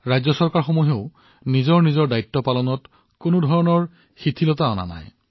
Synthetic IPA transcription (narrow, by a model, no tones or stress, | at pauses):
ɹajzɔsɔɹkaɹxɔmɔɦeʊ | nizɔɹnizɔɹdajtːɔpalɔnɔt | konodʱɔɹɔnɔɹ | xitʰilɔtaɔna̰na̰j